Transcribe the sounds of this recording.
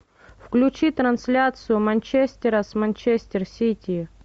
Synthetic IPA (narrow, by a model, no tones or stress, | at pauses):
fklʲʊt͡ɕit̪ɾɐnsʲlʲat̪sɨjʊmɐnʲt͡ɕesʲt̪ʲɪɾəsmɐnʲt͡ɕesʲt̪ʲɪrsʲitʲi